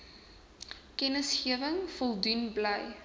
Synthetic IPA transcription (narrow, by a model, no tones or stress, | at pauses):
kɛnəsχiəvəŋfɔlˠdunbləj